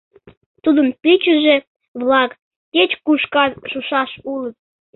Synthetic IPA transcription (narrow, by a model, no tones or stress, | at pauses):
t̪ud̪ənpit͡ɕə̆ʒe | βlɑkː | et͡ɕkuʃkɑnʃuʃɑʃulət̪̚